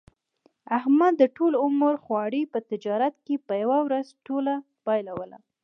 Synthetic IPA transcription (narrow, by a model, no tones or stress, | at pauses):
ahmad̪ːəʈolʊməɾxwɑɽipət̪ɪd͡ʒɑɾat̪̚kepəjawawɾazʈola | pɑjlawəla̰